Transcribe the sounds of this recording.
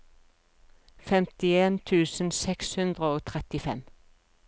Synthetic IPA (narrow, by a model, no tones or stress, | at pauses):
fɛmt̪ɪeːnt̪ʰʉːsən̩sɛkshʉnd̪ʁəoːt̪ʰʁɛt̪ɪfɛm